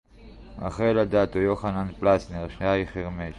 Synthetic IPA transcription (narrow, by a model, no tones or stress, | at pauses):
a̰χejlad̪aːt̪ojoχananplasneʁʃneaiχeʁmeʃ